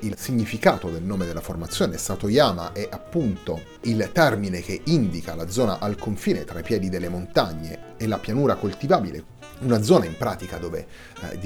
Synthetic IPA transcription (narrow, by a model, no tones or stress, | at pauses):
ilsiɲːifikaːt̪od̪elnoːmed̪elːaformat̪sːjoːnest̪at̪ojaːmaʔɛʔapːunt̪o | ilt̪ɛrminek̟eind̪ikalad̪zɔːna̰ʔalkʰoɱfiːnet̪ɾaipjɛːd̪id̪elːemont̪aɲːḛːlapjanuːɾakolt̪ivaːbilḛ | unad̪zɔːnaimpɾa̰ːt̪ikad̪oːvḛ | d̪